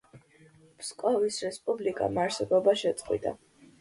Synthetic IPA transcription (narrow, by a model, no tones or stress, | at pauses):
pʰskʼɔvisɾɛspʼublikʼa̰maɾsɛbɔbaʃɛt̪sʼqʼwḭd̪a̰